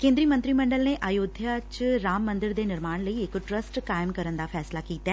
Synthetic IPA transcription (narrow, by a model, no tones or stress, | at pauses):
kẽːnd̪ɾiːmə̃nt̪ɾiːməɳɖəlneːʔaːjoːd̪ʱjaːt͡ʃɾaːmːə̃nd̪ɪɾd̪eːnɪɾmaːɳ̃ləiɪkʈɾəsʈkaːjəmkəɾənd̪aːpʰɛːslaːkiːt̪aː